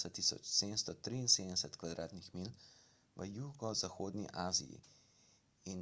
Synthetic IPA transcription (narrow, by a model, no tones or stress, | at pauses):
sɛt̪ːisɔ̰t͡ʃseːd̪ənst̪ɔt̪ɾiːnseːd̪əɛsɛt̪kʋad̪ɾʔaːt̪nixmil | ʋəjuːɡɔzaxoːd̪niʔaːzḭjḭ | in